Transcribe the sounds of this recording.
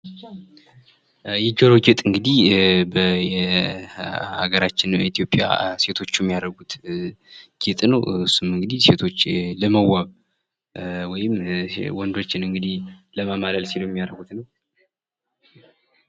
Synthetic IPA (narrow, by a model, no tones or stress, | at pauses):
jɛd͡ʒoɾoɡɛt̪ʼɨŋɡɨd̪ihbəjɛ | ha̰ɡəɾat͡ʃːɪnit̪ʰijo̞pʼja̰se̞t̪ʰo̞t͡ʃːujɛmːijaɾəɡut̪ | ɡ̥ɛt̪ʼnəwɨsumɨŋɡɨd̪ise̞t̪ʰo̞t͡ʃːləməwaβ | wɔjɪmwɔnd̪o̞t͡ʃːɪnɨŋɡɨd̪ihləmamaləlsilojɛmːijaɾəɡut̪nəw